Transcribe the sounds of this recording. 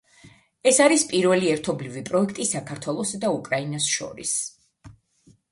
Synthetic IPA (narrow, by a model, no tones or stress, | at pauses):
ɛsaɾispʼiɾvɛliɛɾt̪ʰɔblivipʼɾɔɛkʰt̪ʼisakʰaɾt̪ʰwɛlˠɔsd̪aukʼɾainasʃɔ̰ɾḭs